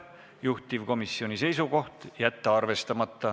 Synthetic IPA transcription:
juht̪ivko̞misːio̞nʲise̞jsuko̞ht̪jæt̪ːeɑrve̞st̪ɑmɑt̪ːɑ

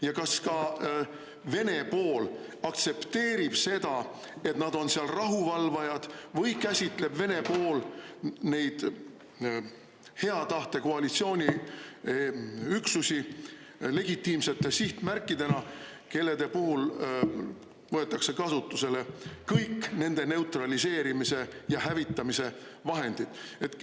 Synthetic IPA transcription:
jɑkɑskɑ | ve̞ne̞po̞ːl | ɑkt̪se̞pt̪e̞ːɾib̥se̞d̪̥ɑ | e̞t̪nɑd̪̥o̞nsiɑlrɑɦuvɑlvɑjɑd̪̥vɤjkæsʲit̪ˑle̞b̥ve̞ne̞po̞ːlne̞jd̪̥ | he̞ɑt̪ɑht̪e̞ko̞ɑlit̪sio̞ːnʲi | yksusi | le̞ɡ̥it̪ːˑiːmse̞t̪ːˑe̞siht̪mærkːid̪̥e̞nɑke̞lːe̞d̪e̞puhul | vɤe̞t̪ːˑɑkse̞kɑsut̪ːˑuse̞le̞kɤjkːne̞nd̪̥e̞ne̞ut̪rɑlise̞ːɾimise̞jɑhævit̪ːˑɑmise̞vɑɦe̞nd̪̥id̪̥e̞t̪

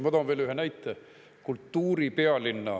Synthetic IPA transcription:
mɑt̪ɑːnveːlyɦenæjt̪ːe | kult̪ːuːɾipeɑlinːɑ

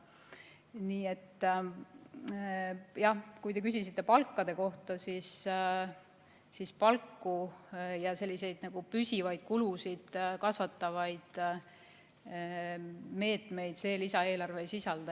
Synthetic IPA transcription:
niːe̞t̪ː | jɑhkujt̪e̞k̬ysisit̪ˑːe̞pɑlkːɑd̪̥e̞ko̞ht̪ɑsiːs | sispɑlkːujɑse̞lʲːise̞jd̪̥nɑɡ̥upysʲivɑjd̪̥̚kulusid̪̥kɑsvɑt̪ːɑvɑjd̪̥ | me̞ːt̪me̞jd̪̥se̞ːlisɑe̞ːlɑrve̞sisɑld̪̥ɑ

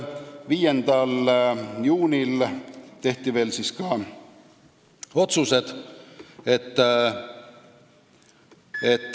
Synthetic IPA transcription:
viːje̞nd̪̥ɑljuːnʲilt̪e̞ht̪ive̞ːlsiskɑ | o̞t̪suse̞d̪̥ | et̪ː | et̪ː

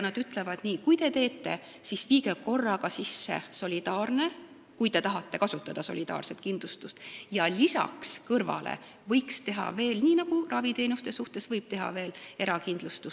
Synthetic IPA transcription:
nɑd̪yt̪ˑle̞vɑd̪̥niːkujt̪e̞t̪e̞ːt̪ˑːe̞̰ | sisviːɡeko̞rːɑɡɑsisːe̞̰so̞lʲid̪ɑːrne̞ | kujt̪e̞t̪ɑɦɑt̪ːe̞kɑsut̪ːˑɑd̪̥ɑso̞lid̪ɑ̰ːrse̞t̪̚kind̪̥lust̪ust̪jɑlisɑ̰kskɤrvɑ̰lḛ | vɤjkst̪e̞ɦɑ̰ve̞ːlniːnɑɡ̥urʔɑvit̪e̞ːnust̪e̞suht̪e̞svɤjb̥t̪e̞ɦɑ̰ve̞ːleɾɑkind̪lust̪u

